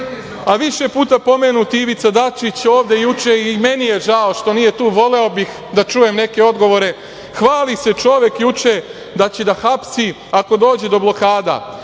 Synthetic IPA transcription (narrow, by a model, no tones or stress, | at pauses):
aʋiʃe̞puːt̪apo̞menut̪iʋit̪sad̪at͡ʃit͡ɕo̞ːʋd̪e̞jut͡ʃeimenije̞ʒao̞ʃt̪o̞nije̞t̪uːʋo̞le̞o̞bix | d̪at͡ʃuːje̞mne̞ke̞o̞d̪ɡo̞ʋo̞ɾe̞ | xʋaːlise̞t͡ʃo̞ʋje̞kjut͡ʂe | d̪at͡ɕe̞d̪axapsi | ako̞d̪o̞ːd͡ʑe̞d̪o̞blo̞kaːd̪a̰